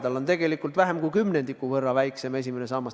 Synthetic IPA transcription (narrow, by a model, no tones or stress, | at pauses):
d̪̥ɑlo̞nt̪e̞ɡ̥e̞likːˑult̪væɦemkujkymne̞nd̪ikːˑuvɤrːɑvæjkse̞me̞s̬ʲimenes̬ɑːmɑs